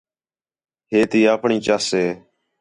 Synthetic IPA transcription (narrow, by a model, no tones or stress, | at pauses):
ɦeːt̪iːaːpɳiːt͡ʃaːseː